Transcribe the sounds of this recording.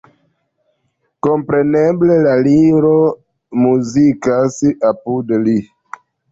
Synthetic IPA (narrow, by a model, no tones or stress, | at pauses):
ko̞mpɾe̞neble̞laliɾo | muzikasapudli